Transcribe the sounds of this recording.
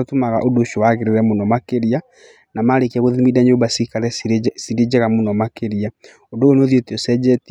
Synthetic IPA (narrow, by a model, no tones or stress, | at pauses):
otumaɣa̰ʔodoʃowaɣeɾeɾɛmonɔmakeɾia | namaɾekiɛɣoðimidaɲobasikaɾɛsiɾed͡ʑɛɣamonɔmakeɾia | odoɣoneoðjoteɔsɛd͡ʒɛti